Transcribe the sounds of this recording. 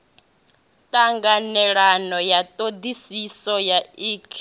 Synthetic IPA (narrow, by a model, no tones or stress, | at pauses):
tʼaŋɡanɛɺanɔjat̪ʼod̪isisɔjaiːkʰ